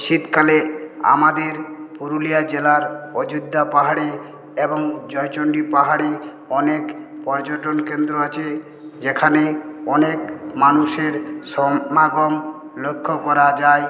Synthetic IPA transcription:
ʃit̪kalea̰mad̪eɾpuɾulijad͡ʑelaɾod͡ʑud̪ʱːapaɦaɽe | eboŋd͡ʑɔjt͡ɕoɳɖipaɦaɽe | ɔnekpɔɾd͡ʑoʈonkend̪ɾoat͡ɕʰe | d͡ʑekʰaneɔnekmanuʃeɾʃɔmaɡom | lokʰːokɔɾad͡ʑae

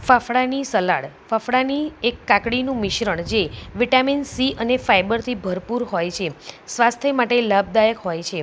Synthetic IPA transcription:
fafɽanisəlaɽ | fafɽaniekːakɽinũmɪʃɾəɳ̃d͡ʒeʋiʈaminsiʔənefajbəɾt̪ʰibʱəɾpuɾɦojt͡ʃʰesʋast̪ʰəmaʈelab̚d̪ajəkɦojt͡ʃʰe

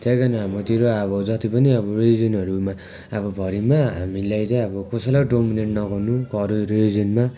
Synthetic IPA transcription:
t̪ʰjʌjkanaɦamʌt̪iɾoʌbʌd͡zʌt̪ipʌniʌbʌrid͡zʌnɦʌɾuma | ʌbʌbʱʌɾimaɦa̰milajt͡sʌʌbʌkosʌlaɖomineʈnʌɡʌnukʌɾuɾid͡zʌnma

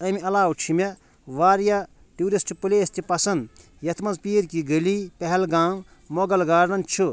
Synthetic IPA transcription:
ɐmiɐlaːwt͡ʃʰime | ʋaːɾja | ʈuːɾist͡ʃipɨleːst̪ʰipɐsɐnd̪ | jɐt̪ʰmɐnzpiːɾkiɡəlipɛɦɛlɡãːw | moɡɐlɡaːɾnɐnt͡ʃʰu

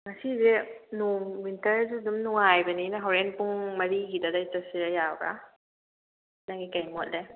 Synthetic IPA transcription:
masizenuŋwintɐɾzudumnuŋajbɐninaɦɔɾenpuŋmɐɾiɡidadaitasiɾajawɾa̰ | naŋikajmɔt̚la

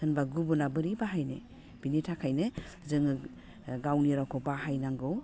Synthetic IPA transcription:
ɯnbaɡubunabɯɾibaɦajnḛ | b̥initʰakʰajnɯzɯŋɯ | ɡawniɾakʰɔbaɦajnaŋɡɯw

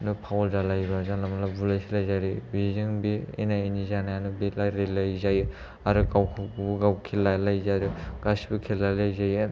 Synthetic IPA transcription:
nɯpʰawɔlzalajbazanlamalabulajsilajzajɾibizɯŋbiḛnainizanajanɯbilajɾelajzajɯ | aɾɯɡawkʰɯbuɡawkʰilajlajzajɾɯɡ̥asibɯkʰelalajzajɯ

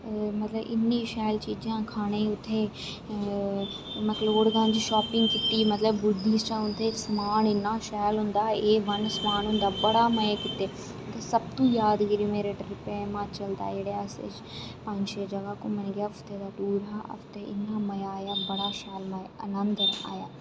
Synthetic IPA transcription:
mət̪ləbɪ̰nːiːʃɛːlt͡ʃiːd͡ʒãːkʰaːɽ̃eːʊt̪ʰːeː | mət̪ləoːɽɡ̪ãːd͡ʒiʃɔːpɪ̃ŋɡkɪt̪ːiːmət̪ləbːʊɖːiːst͡ʃə̃ːʊnt̪ʰesmaːnɪnːaːʃɛːlɦʊ̃nd̪aːeːʋənsmaːnɦʊ̃nd̪aːbəɽaːməeːkɪt̪ːeː | t̪ːeːsəb̚t̪ũːjaːd̪ɡəɾũːmeːɾeːʈɾɪpeːmãːt͡ʃəld̪a̰ːeːɽeːəsḛd͡ʒ | pɐ̃ɲd͡ʒʃeːd͡ʒɐɡaːkõːmənɡjafʰt̪ʰeːd̪aːɖuːɾa̰ːfʰt̪eːʔɪ̰nːaːməjaːjaːbəɽaːʃɛːlməjənənd̪əɾa̰ːjaː

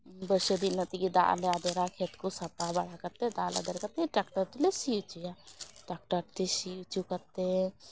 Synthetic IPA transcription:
bəsed̪inət̪ikid̪a̰lead̪eɾakʰet̪kusɐpabɐɽ̤akɐɾt̪ed̪a̰la̰d̪əɾkət̪eʈakʈəɾt̪ulesit͡ʃujaʈak̚ʈəɾʈt̪esit͡ʃukəɾt̪e

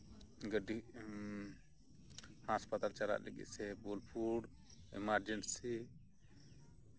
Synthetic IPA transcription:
ɡəɖi | haspat̪alt͡ʃaɾa̰ʔlə̰ɡḭt̪sɛbolpʰuɽ | ɛ̰maɾd͡ʒɛɳʈsi

